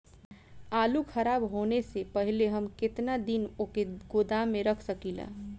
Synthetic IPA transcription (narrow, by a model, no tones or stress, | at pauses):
aːlukʰəɾaːbɦoːnesepəɦileɦəmkɪt̪nad̪inokeɡod̪aːẽɾəkʰsəkila̰